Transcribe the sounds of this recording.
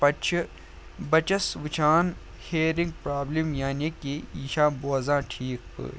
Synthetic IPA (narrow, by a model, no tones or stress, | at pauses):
pɐt͡ʃʰ | bɐt͡ʃɐsʋɪt͡ʃʰaːn | heːɾĩŋɡ̚pɾaːblimjaːnikiiːʃãːboːzãːʈʰiːk